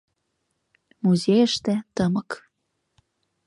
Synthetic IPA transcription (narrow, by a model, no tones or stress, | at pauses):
muzʲejəʃt̪ĕt̪əmə̆k